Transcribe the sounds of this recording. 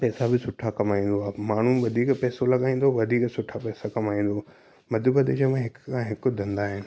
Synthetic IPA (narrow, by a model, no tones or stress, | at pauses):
pɛːsabɪsʊʈʰakɐmaːĩːn̆d̪oaːmaːɳ̤uʋɐd̪ʱiːkpɛːsolɐɠaːĩːn̆d̪oʋɐd̪ʱiːksʊʈʰapɛːsakɐmaːĩːn̆d̪o | mɐd̪ʱʊbɐd̪ed͡ʑemãɦɪkːʰãɦɪkʊ̆d̪ʱɐ̃nd̪aːɦɪnɪ̆